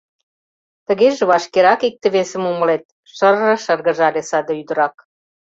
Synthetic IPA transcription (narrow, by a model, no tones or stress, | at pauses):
t̪ə̆ɣeʒĕβɑʃkeɾɑkik̚t̪ĕβesə̆mumə̆let̪̚ | ʃə̆rːɤ̆ʃərɣə̆ʒɑlʲesɑd̪ɤ̆yd̪ə̆ɾɑk̚